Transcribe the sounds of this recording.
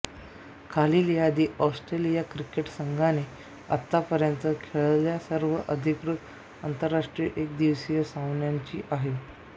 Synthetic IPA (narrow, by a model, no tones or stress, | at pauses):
kʰaliːlijad̪iːʔɔsʈɾelijakɾikeʈsəŋɡʱane | a̰t̪ːapəɾjənt̪əkʰeɭljasəɾʋəʔəd̪ʱikɾut̪ | ant̪əɾːaʂʈɾiəʔek̚d̪iʋsijəsawɳjaɲt͡ɕḭːʔaɦe